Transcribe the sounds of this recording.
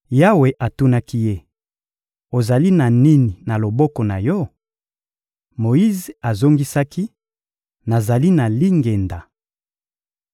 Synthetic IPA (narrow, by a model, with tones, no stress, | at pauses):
ja˦we˨ʔa˨tu˦na˦ki˦je˦ | o˨za˨li˦na˨ni˦ni˨na˨lo˨bɔ˦kɔ˨na˨jɔ˦ | mo˨i˦ze˨a˨zo˦ŋɡi˦sa˦ki˦ | na˨za˨li˦na˨li˦ŋɡe˨nda˨